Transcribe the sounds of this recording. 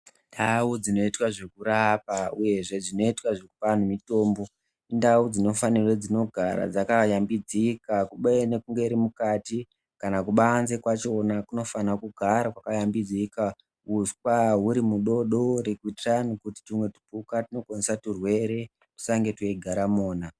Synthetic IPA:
ndaud͡zino̞itwaʐe̞kuɾapauje̞ʐe̞d͡zino̞itwaʐekupan̤umito̞ːmbo̞ | indaud͡zino̞fanirwed͡zino̞ɡʱaɾa̰d͡zakajambid͡zikakuɓaene̞kuŋɡe̞ɾimukati | kanakuɓaːnze̞kwat͡ʃo̞nakuno̞fanakuɡʱaɾakwakajambid͡zika | uskwaɦuɾimuɗo̞ɗo̞rekuitranikuti̥timwe̞tu̥pukatino̞kwanesaturwe̞ɾe̞ | tu̥saŋɡe̞tueɡʱaɾamoːna

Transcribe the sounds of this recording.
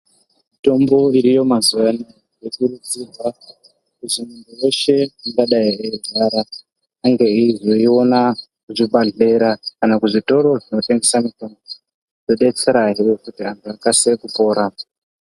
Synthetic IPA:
mito̞mbo̞iɾijo̞mazuʋani | jekuɾud͡zirwa | kuʐimunbojo̞ʃe̞iŋɡaɗajieiɮaɾaː | ŋɡe̞iʐo̞io̞nakuʐiɓaɮe̞ɾakanakuʐito̞ɾo̞ʐinote̞ŋɡe̞samito̞mbo | ʐo̞ɗe̞t͡se̞ɾaɦejokutiantʰuakasekupo̞ːɾa

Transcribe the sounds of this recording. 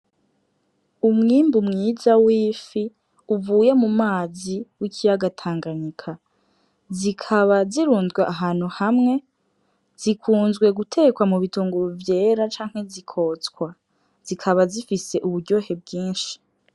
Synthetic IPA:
umŋiːmbumŋiːzawiːfi | uvuːjemumaːziwikʰijaɡatʰaːŋɡaɲikʰa | zikʰaβaziɾuːndɡweʔaɦaːn̥huhamŋe̞ | z̥ikʰuːnzɡwe̞ɡutʰe̞ːkwamuβituːŋɡuvje̞ːɾat͡ʃaːŋhe̞zikʰo̞ːt͡skwa | z̥ikʰaβazifise̞ʔuβuɾɟo̞ːhe̞b̚ɡiːnʃi̥

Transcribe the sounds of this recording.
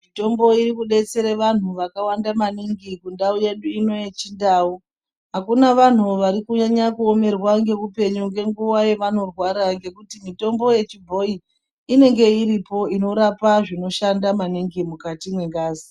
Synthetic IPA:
mito̞mbo̞iɾikuɗe̞t͡se̞ɾeʋan̤uʋakawandamaniŋɡikundauje̞ɗuino̞jet͡ʃindau | ɦakunaʋan̤uʋaɾikuɲaɲakuome̞rwaŋɡe̞ʋupe̞ɲuŋɡe̞ŋɡuwaje̞ʋano̞rwaɾaŋɡe̞kutimito̞mbo̞je̞t͡ʃibʱo̞i | ine̞ŋɡe̞iɾipo̞ino̞ɾapaʐino̞ʃandamaniŋɡimukatimwe̞ŋɡaːzi

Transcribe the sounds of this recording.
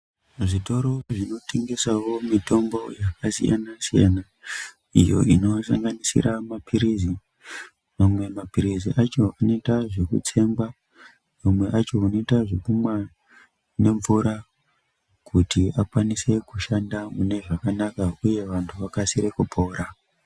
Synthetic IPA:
ʐito̞ɾo̞ʐino̞tʰe̞ŋɡe̞sawo̞mito̞mbo̞jakasḭja̰nasija̰na | ijo̞̰ino̞saŋɡanisḭɾamapʰiɾizi | mamwe̞mapiɾiziʔat͡ʃo̞ano̞itaʐe̞kṵt͡se̞mɡwa | mamwe̞ʔat͡ʃo̞uno̞itaʐekumwa | ne̞ɱvuɾa | kʰutʰiakwanise̞kuʃandamune̞ʐakanakauje̞ʋantʰuʋakasiɾekupʰo̞ːɾa

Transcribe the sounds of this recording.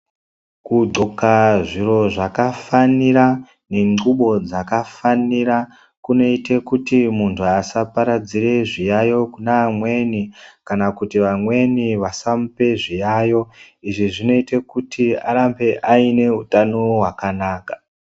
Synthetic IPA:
kuɡ͡ǃo̞kaʐiro̞ʐakafaniɾa | ne̞ŋɡuɓo̞d͡zakafanira | kuno̞itekutimuntʰuasapaɾad͡zire̞ʐijajo̞kunamwe̞nikanakutiʋamwe̞niʋasamupe̞ʐijajo̞ | iʐiʐino̞itekutʰia̰ɾambe̞ʔaine̞utanoɦwakanaːkḁ

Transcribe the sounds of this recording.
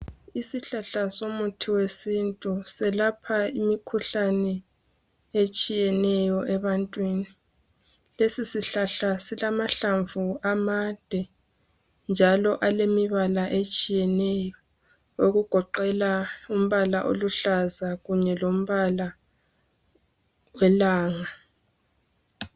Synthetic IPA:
isiɬaɬasomutʰiwesintʼusɛlapʰaimikʰuɬanɛ | et͡ʃʼijɛnɛjɔʔɛβantʼwini | lesisiɬaɬasilamaɬaɱvuamad̥ʱɛ | nd͡ʒʱalɔʔalemiβalaʔet͡ʃʼijɛnɛjɔ | oɣuɡ̥ʱɔǃɛlaum̩βalaʔo̰luɬazaɣuɲɛlom̩βala | wɛlaːŋa

